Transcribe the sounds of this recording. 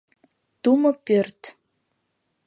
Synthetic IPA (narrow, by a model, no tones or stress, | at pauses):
t̪umɤ̆pørt̪